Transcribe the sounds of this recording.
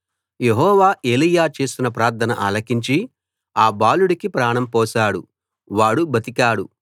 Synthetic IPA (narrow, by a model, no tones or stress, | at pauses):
jeɦɔːʋaːʔeːlijaːt͡ʃeːsinɐpɾaːɾt̪ʰɐnɐ̰ʔɐ̰lɐkiɲt͡ʃi | aːbaːluɽikipɾaːɳɐmpɔːsaːɽṵ | ʋaːɽubʱɐt̪ikaːɽu